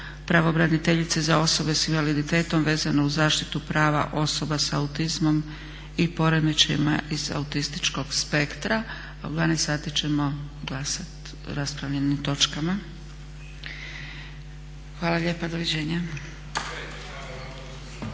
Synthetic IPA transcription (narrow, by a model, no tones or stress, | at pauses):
pɾaʋo̞ːbɾanit̪e̞ʎit̪sezao̞so̞be̞sinʋalid̪it̪e̞ːt̪o̞mʋe̞ːzanuzaːʃt̪it̪upɾaːʋa̰ʔo̞so̞basaut̪izmo̞m | ipo̞ɾed̪met͡ʃḛmaʔiza̰ut̪ist̪i̥t͡ʃko̞ɡ̥spe̞kt̪ɾaː | ṵd̪ʋaːnesaːt̪it͡ɕe̞mo̞ɡlˠasat̪ | ɾaspɾaʋʎe̞nimt̪o̞t͡ʃkama | xʋaːlˠaʎe̞ːpad̪oʋid͡ʑeːɲa